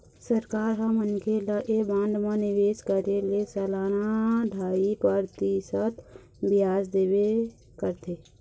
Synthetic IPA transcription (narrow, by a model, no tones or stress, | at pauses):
səɾkaːɾɦãmənkʰeləʔebãːnd̪mãnɪʋeːʃkəɾelesɛlaːnaɖʱaːipəɾt̪isət̪ | bɪjaːzd̪eːwe | kəɾt̪ʰeː